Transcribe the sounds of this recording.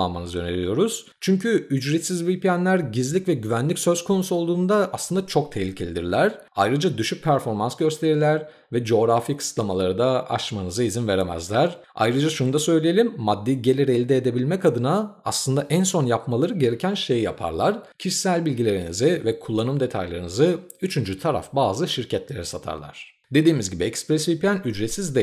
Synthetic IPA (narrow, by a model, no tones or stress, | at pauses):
anma̰nɯzjøne̞̰lʲijo̞ɾuz̥ | t͡ʃʰyɲcʰyyd͡ʒɾɛt̪sizvipʰijænlʲæɾɟizlʲicvɛɟyvænlʲicsøz̥kʰo̞nusuo̞lˠd̪uːnd̪aaslˠɯnd̪at͡ʃʰo̞k̚t̪ʰehlʲicʰe̞lʲid̪ḭɾlʲæɾ̥ | a̰jɾɯd͡ʒad̪yʃyc̚pʰæɾfo̞ɾmansɟø̞st̪ʰe̞ɾiɾlʲæɾ | vɛd͡ʒo̞ɣɾafikʰɯ̥slˠamalˠaɾɯd̪aa̰ʃmanɯzaizinve̞ɾemæ̰zlʲæɾ | a̰jɾɯd͡ʒaʃunud̪asø̞jlʲijelʲimːad̪ːiɟe̞lʲiɾɛːlʲd̪ɛːd̪e̞bilʲmɛcad̪ɯnaaslˠɯnd̪aʔænso̞njapmalˠaɾɯɟe̞ɾecʰænʃe̞jja̰pʰa̰ɾlˠaɾ̥cʰiʃsælʲbilʲɟilʲe̞ɾinizɪvɛkʰulˠːanɯmd̪e̞t̪ʰa̰jlˠaɾɯnɯzɯ | yt͡ʃʰynd͡ʒyt̪ʰaɾa̰fbaːzɯʃiɾcʰɛt̪lʲe̞ɾɛsat̪ʰa̰ɾlˠa̰ɾ̥ | d̪e̞d̪iːmizɟibiɛkspɾesivpʰlʲænyd͡ʒɾesizd̪ɛ